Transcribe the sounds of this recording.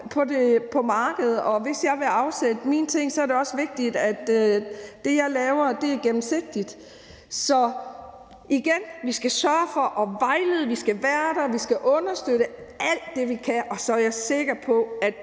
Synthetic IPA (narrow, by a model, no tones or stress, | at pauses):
pʰɒ̽de̝pʰɒ̽mɑ̈ːɡ̥əð̞̩ˠɒ̽ʋe̝sjɑ̈ɪʋe̝ɑ̈ʊsed̥əmḭːnt͡sʰe̝ŋ̰sɒ̽æɐɾe̝ɒ̽sʋe̝ɡ̥̚d̥id̥æd̥ː | e̝jɑ̈ɪlɛːʊɐd̥e̝æɐɡ̥em̩se̝ɡ̥̚d̥id̥ | sɒ̽ | ʔiɡ̥enʋisɡ̥æsɶːɐfɒ̽ʔɒ̽ʋɑ̈ɪleð̩ˠʋisɡ̥æʋæːɐɾ̥æʋisɡ̥æʔɔ̽nɐsd̥øɾ̥əæl̰d̥ːe̝ʋikʰæʔɒ̽sɒ̽æjɑse̝ɡ̥ɐpʰɒ̽æd̥